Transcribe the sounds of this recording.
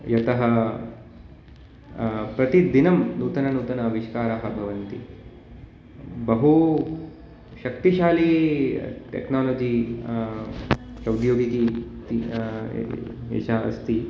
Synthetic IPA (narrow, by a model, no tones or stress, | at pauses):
jɐt̪ɐɦɐ | pɾɐt̪id̪inɐmnuːt̪ɐnɐnuːt̪ɐnɐʋiʃkaːɾaɦɐbʱɐʋɐnt̪ḭ | bɐɦu | ʃɐkt̪iʃaːli | ʈḛknaːloːd͡ʒi | sɾɐwd̪joːɡik̪it̪ḭ | ḛʃaɐ̰st̪i